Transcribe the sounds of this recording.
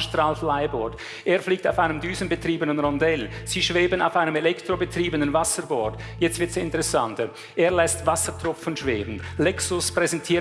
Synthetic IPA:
ʃtraːlflaɪbɔd | ʔeːɐfliːk̚taʊfaɪnəmdyːzən̩bətr̥iːbənənʁɔndɛl | z̥iːʃveːbəna̰ʊfaɪnəmɛlɛktʁ̥obətr̥iːbənənvasəɾbɔːd | jɛt͡stv̥ɪtsɪntəʁɛsantə | ʔeːɐlɛstvasətrʊfnʃv̥eːbn̩lɛksʊspʁ̥ɛzɛntʰiː

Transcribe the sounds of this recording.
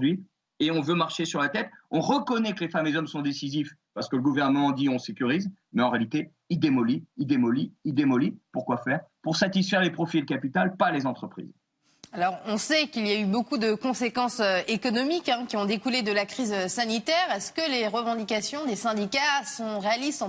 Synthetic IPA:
d̪ɥi | eɔ̃vømaʁʃesyʁlat̪ɛt̪ɔ̃ʁəkɔnɛkəlefameezɔmsɔ̃d̪esizifpaʁsə̥kələɡuvɛʁnəmɑ̃d̪iɔ̃sekʲyʁiz | mɛɑ̃ʁealit̪e | id̪emɔliːd̪emɔliid̪emɔlipuʁkwafɛːʁpuʁsat̪isfɛʁlepχɔfid̪əkapit̪alpalezɑ̃t̪χəpχḭz | alɔʁɔ̃sɛkiljaybokud̪əkɔ̃sekɑ̃søekɔnɔmikɛ̃kʲiɔ̃d̪ekuled̪əlakχizøsanit̪ɛʁɛskəleʁəvɑ̃d̪ikasjɔ̃d̪esɛ̃d̪ikasɔ̃ʁealist̪

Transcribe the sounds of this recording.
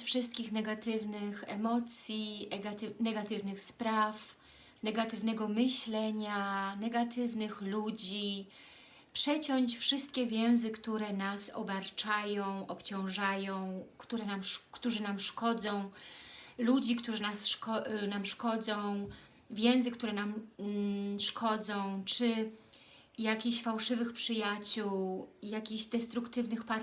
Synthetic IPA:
fʂɘst̪̚kʲixnɛɡat̪ɘvnɘxɛ̰mɔt̪sʲjianɛɡat̪ɘvnɘxspɾaf | nɛɡat̪ɘvnɛɡɔmɘɕlɛɲanɛɡat̪ɘvnɘxlud͡ʑi | pʂɛt͡ɕɔɲt͡ɕfʂɘst̪̚kʲɛvʲjɛ̃w̃zɘkt̪uɾɛnasɔ̰baɾt͡ʂajɔ̃w̃ʔɔpt͡ɕɔ̃w̃ʐajɔ̃w̃kt̪uɾɛnamkt̪uʐɘnamʂkɔd̪zɔ̃w̃ | lud͡ʑikt̪uʐɘnasʂkɔnamʂkɔd̪zɔ̃w̃ | vʲjɛ̃w̃zɘkt̪uɾɛnam | ʂkʰɔd̪zɔ̃w̃t͡ʂɘ | jakʲiɕfawʂɘvɘxpʂɘjat͡ɕuwjakʲiʑd̪ɛst̪ɾukt̪ɘvnɘxpa

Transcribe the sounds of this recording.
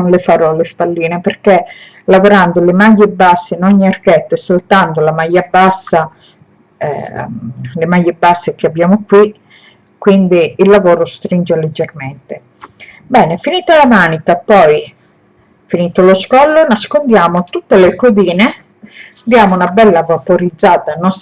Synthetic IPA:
nlefaɾɔlespalːiːneperke | lavoɾand̪olemajːebasːeinɔɲːiarkɛt̪ːesolt̪ant̪olamajːabasːa̰ | lemajːebasːek̟abːjaːmokwi | kːwind̪iːlːavɔːɾost̪ɾind͡ʒeled͡ʒːerment̪e | bɛːnefiniːt̪alamaːnikapɔj | finiːt̪oloskɔlːonaskond̪jaːmot̪ut̪ːelekod̪iːne | d̪jaːmounabɛlːavapoɾid̪zːaːt̪anːɔs

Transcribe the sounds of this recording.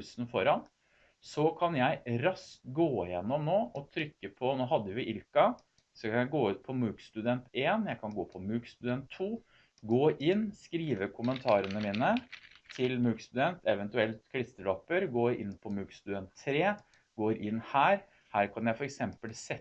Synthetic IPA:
snfɔɾɑn | sɔkʰɑnjæɪɾɑst̪ɡoːɪjɛnːɔmnoːʔɔt̪ʰɾʏkːəpʰɔnoːɦɑd̪ːəjʊʔɪlkɑ | sɔkʰɑnjæɪɡoːʉːt̪̚pʰɔmʉːkst̪ʉd̪ɛnt̪ʰeːnjæɪkʰɑnɡoːpʰɔmʉːkst̪ʉd̪ɛnt̪ʰːuː | ɡoːʔɪnːskɾiːʋəkʰʊmənt̪ʰɑːɾənəmiːnət̪ʰɪlmʉːkst̪ʉd̪ɛnt̪ʰɛʋɛnt̪ʉɛlt̪kʰlɪst̪əɭɔpːəɾɡoːɪ̰nːpʰɔmʉːkst̪ʉd̪ɛnt̪ʰːɾeː | ɡoːɾʔɪnːhæːɾ | hæːɾkʰɑnjæɪfɔɾɛksɛmpəlsɛ

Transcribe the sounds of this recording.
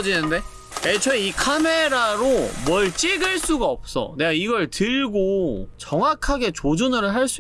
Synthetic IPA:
d͡ʑinɯnde̞ | et͡ɕʰʌeikʰameɾaɾomwʌɭt͡ɕ͈iɡɯɭs͈uɡaʌp̚s͈ʌ̰ne̞ɡaiɡʌɭtɯɭɡot͡ɕʌŋwakʰaɡe̞t͡ɕod͡ʑunɯɾɯɭɦaɭs͈u

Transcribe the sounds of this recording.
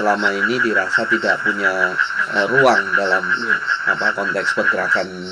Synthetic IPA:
əlamainidiɾasat̪idaʔpuɲaəruaŋdalama̰pakɔnt̪ɛkspərɡəɾakan

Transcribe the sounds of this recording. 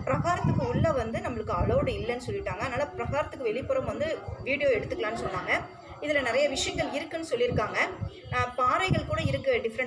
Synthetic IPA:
pɪɾɐɣaːɾɐt̪ːɯkːɯʊɭːɐʋɐnd̪ɯnɐmːɐɭɯkːɯɐɭɐːɽɯɪlːɛnːɯsɔlːɪʈːaːŋɡɐðnaːlɐpɪɾɐɣaːɾɐt̪ːɯkːɯʋɛɭɪpːɔɾɐmʋɐnd̪ɯʋiːɽɪjoːɛɽɯt̪ːɯkːɐɭaːnːɯsɔnːaːŋɡɐ | ɪðɪlɐnɪɾɐjɐʋɪʂɐjɐŋɡɐɭɪɾɯkːɐnːɯsɔlːɪɾɯkːaːŋɡɐ | paːɾɐɪɣɐɭkuːɽɐɪɾɯkːɯɖɪfɐɾɐ

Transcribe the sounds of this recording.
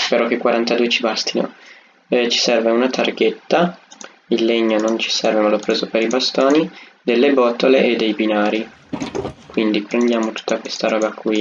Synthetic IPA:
peɾɔk̟ːekwaɾant̪ad̪uːet͡ʃibast̪ino̰ | t͡ʃi̥sɛrveunat̪ʰarɡet̪ːa | ilːeɲːonont͡ʃi̥sɛrvemalopːɾeːzopeɾibast̪oːni | d̪elːebɔt̪ːoleʔed̪ːejbinaːɾi | kwind̪ipɾend̪jaːmot̪u̥t̪ːakwest̪aɾɔːbakʰwi

